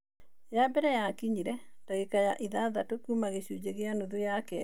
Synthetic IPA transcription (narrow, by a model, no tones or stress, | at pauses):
jabɛɾɛjakiɲiɾɛ | taɣekajaʔiðaðatokumaɣeɕud͡ʑeɣeanuðojakɛ